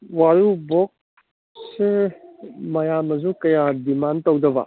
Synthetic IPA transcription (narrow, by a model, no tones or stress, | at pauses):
waɾubok̚ | se | mɐjamɐzukɐjadimantɐwdɐbɐ̰